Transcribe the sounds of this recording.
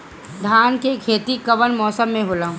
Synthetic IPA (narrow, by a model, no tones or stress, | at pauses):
d̪ʱjaːnkekʰeːt̪ikɐʋənmɔːsəmːẽɦoːlãː